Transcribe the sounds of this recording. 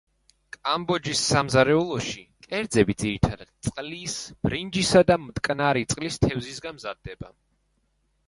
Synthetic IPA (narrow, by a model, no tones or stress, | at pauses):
kʼambɔd͡ʒisːamzaɾɛulˠɔʃikʼɛɾd̪zɛbid̪ziɾit̪ʰad̪ad̪̥̚t̪sʼqʼlisb̥ɾind͡ʒisad̪amt̪ʼkʼnaɾit̪sʼqʼlist̪ʰɛvzisɡamzad̪ːɛba